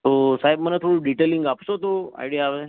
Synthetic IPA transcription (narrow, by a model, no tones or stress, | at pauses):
t̪osaɦibmənat̪ʰoɾuɖiʈelĩŋɡapsot̪oa̰jɽijaːʋe